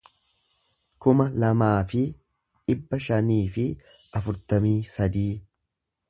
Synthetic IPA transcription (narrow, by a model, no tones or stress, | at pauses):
kʊmɐlɐmaːfɪ | ᶑɪbːɐʃɐniːfɪ | ɐfʊɾt̪ɐmiːsɐd̪iː